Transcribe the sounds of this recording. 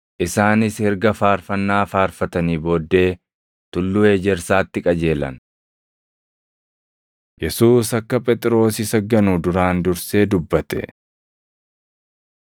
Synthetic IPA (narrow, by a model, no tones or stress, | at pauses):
ʔɪsaːnɪshɪɾɡɐfaːɾfɐnːaːfaːɾfɐt̪ɐniːbo̞ːd̪ːe̞ː | t̪ʊlːʊe̞ːd͡ʒɛɾsaːt̪ːɪkʼɐd͡ʒe̞ːlɐ̰n | jɛsuːsɐkːɐpʼɛt̪ʼɾo̞ːsɪsɐɡːɐnuːd̪ʊɾaːnd̪ʊɾse̞ːd̪ʊbːɐt̪ɛ̰